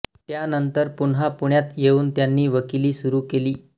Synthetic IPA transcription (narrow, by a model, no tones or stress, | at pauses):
t̪janənt̪əɾpunɦapuɳjat̪jeuːnt̪janːiːʋəkiliːsuɾuːkeliː